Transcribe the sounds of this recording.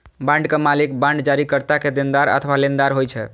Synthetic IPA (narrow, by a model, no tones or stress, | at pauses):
bãɳɖkemalikbãɳɖd͡ʒaɾikəɾt̪aked̪end̪aɾə̰t̪ʰʋalend̪aɾɦojt͡ʃʰɛ̰